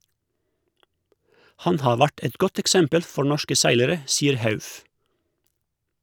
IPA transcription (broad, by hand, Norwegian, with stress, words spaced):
ˈhɑn ˈhɑː ˈʋæʈ ˈɛt ˈɡɔt ɛkˈsɛmpəl ˈfɔ ˈɳɔʃkə ˈsæɪləɾə ˈsiːəɾ ˈhɑʉf